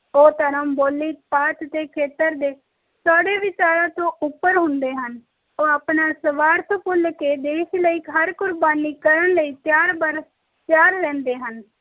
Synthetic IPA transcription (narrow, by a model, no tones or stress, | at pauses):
oːt̪əɾəmboːlːiːpaːt̪t̪eːkʰeːt̪əɾd̪eː | saːɽeːʋɪt͡ʃaːɾãːt̪õːʊpːəɾɦʊnd̪eːɦən | oːaːpnaːsəʋaːɾt̪ʰpʊlkeːd̪eːʃləiːkɦəɾkʊɾbaːniːkəɾənləiːt̪jaːɾbəɾ | t̪jaːɾːɛ̃ːnd̪eːɦən